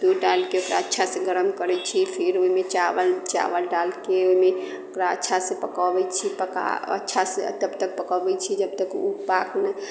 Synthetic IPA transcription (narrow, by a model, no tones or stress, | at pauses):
d̪uɖalkeokɾa̰ətːʃʰasẽɡəɾəmkəɾɛt͡ʃʰipʰiɾoimet͡ʃaʋəlt͡ʃa̰ʋəlɖalkeoimeokɾaətːʃʰasẽpəkəbɛt͡ʃʰipəka̰ə̰tːʃʰasḛt̪əbt̪ək̚pəkəbɛt͡ʃʰid͡ʒəbt̪əkubaknə